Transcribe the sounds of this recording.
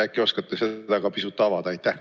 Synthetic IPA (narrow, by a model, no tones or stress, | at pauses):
ækːio̞skɑt̪ːˑese̞d̪ɑɡ̥ɑpisut̪ːˑɑvɑd̪̥ɑɑjt̪ːæh